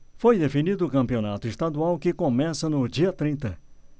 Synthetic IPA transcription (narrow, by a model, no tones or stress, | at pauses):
fojd̪efinid̪ʊːkɐ̃mpionat̪ʊist̪ad̪uawkɪkomɛsɐnʊd͡ʒiɐt̪ɾĩnt̪ɐ